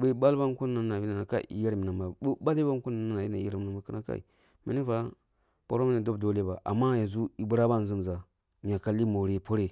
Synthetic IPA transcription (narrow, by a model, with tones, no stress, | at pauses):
be˦ba˦lba˦n˦ko˦nː˦a˨a˨i˦na˨a˨ka̰˦ʔḭ˨ja˦ɾmi˨na˨mba˨˦ɓa˦li˦ba˦ŋ˦ko˦na˨na˦˨na˨ji˦na˨i˨˦ja˦ɾmi˨a˨mba˨kə˦na˦ka̰˦ḭ˨ | mḛ˨ni˦va˦ | po˨ɾo˦me˦ni˦˨do˦bdo˦le˦ba˨ʔa̰˨mːa˦ja˨zu˦i˨bu˦ɾa˦ba˦n˨zu˦m˨za˨ | ɲ˨a˨ka˦li˦mo˨ɾe˨po˦ɾe˨